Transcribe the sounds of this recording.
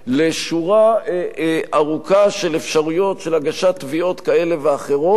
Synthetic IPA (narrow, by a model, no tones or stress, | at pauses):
leʃuʁa | ʔaʁukaʃe̞lefʃaʁujo̞tʃelaɡaʃat̪ːvio̞t̪kae̞le̞veaχe̞ʁo̞